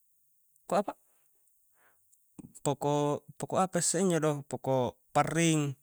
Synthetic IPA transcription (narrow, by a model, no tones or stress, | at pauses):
koapa | pokopokoapaisːeiɲd͡ʒodɔpokɔparːiŋ